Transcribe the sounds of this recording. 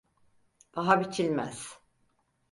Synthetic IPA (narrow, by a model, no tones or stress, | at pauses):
b̪̥aɦabit͡ʃʰilʲmæ̰z̥